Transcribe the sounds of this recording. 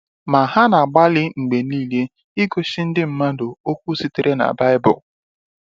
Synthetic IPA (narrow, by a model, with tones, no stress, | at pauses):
ma˨ɦa˦na˨a˨ɡ͡ba˦lɪ˦ŋ͡m̩˨ɡ͡be˨niː˦le˦ | i˦ɡo˨ʃi˦n̩˦dɪ˦m̩˨˦ma˦do˨o˦kʷu˦si˦ti˨ɾʔe˦na̰˨ba˦ɪ˦bʊ̰˨